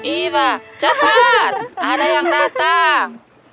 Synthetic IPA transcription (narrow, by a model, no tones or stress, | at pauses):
iβat͡ʃab̥at̪̚aɾajaŋrat̪a